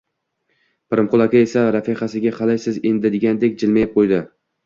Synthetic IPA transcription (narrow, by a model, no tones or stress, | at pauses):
pɪɾɪmqʊlˠakʲaesaɾafɪqɑsɪɡʲaqʰɑlˠajsɪzend̪ɪd̪ɪɡʲand̪ekʲd͡ʒɪlmajɪp̚qʰojd̪ɪ